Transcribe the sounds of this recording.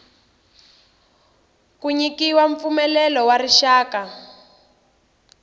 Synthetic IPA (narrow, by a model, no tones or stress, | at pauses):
kuɲikiwaɱfumɛlɛlɔwariʃaːka